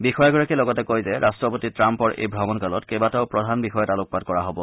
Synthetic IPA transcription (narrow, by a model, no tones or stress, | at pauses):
bixɔjaɡɔɹakɛlɔɡɔtɛkojzɛɹʔastɹɔpotitɹampɔɹʔḛjbʱɹɔmɔnkalɔtkɛbataʊpɹɔdʱanbixɔjɛtalʊk̚pad̚kɔɹaɦɔbɔ